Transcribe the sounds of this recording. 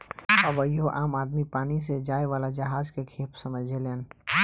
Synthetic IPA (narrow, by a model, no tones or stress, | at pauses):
əʋəjoʔaːmaːd̪mipaːnis̬ed͡ʒaːeʋaːlad͡ʒəɦaːzkekʰeːpʰsəməd͡ʒʱeleːn